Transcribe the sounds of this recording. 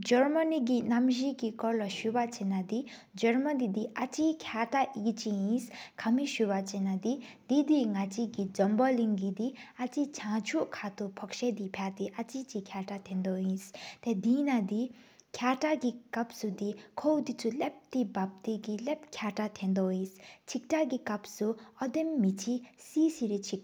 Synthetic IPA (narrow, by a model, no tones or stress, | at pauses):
d͡ʑəɹmanik̬inamʑiʔkikɔɹlaɕyːpat͡ɕenad̪i | d͡ʑəɹmand̪id̪iʔat͡ɕiːkʰaːʈ͡ʂaʔʔikt͡ɕijinskʰamiɕypat͡ɕenad̪id̪̥id̪iŋat͡ɕikid͡zɔmbaliŋɡid̪iʔat͡ɕit͡ɕʰaŋt͡ɕʰuʔkʰat̪upʰɔk̚ɕed̪ipʰat̪eʔat͡ɕit͡ɕikʰaʈ͡ʂat̪ʰend̪ɔjist̪ed̪inad̪ikʰaʈ͡ʂakikap̚sud̪ikʰowd̪it͡sʰulep̚t̪ibap̚t̪ekilep̚kʰaʈ͡ʂat̪ʰend̪ɔjist͡ɕʰik̚ʈ͡ʂakikap̚suʔɔd̪emːit͡ɕʰisiːsiɹit͡ɕʰik